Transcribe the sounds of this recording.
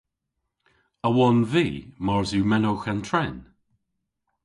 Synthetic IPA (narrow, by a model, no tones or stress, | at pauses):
əwɔnviːmɔɹzumɛnoxantʰɹɛn